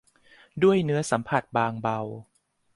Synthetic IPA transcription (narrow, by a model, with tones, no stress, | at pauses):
du˥˩əjnɯ˦˥ɐsa˩˦mpʰa˨˩t̪̚baː˧ŋba˧w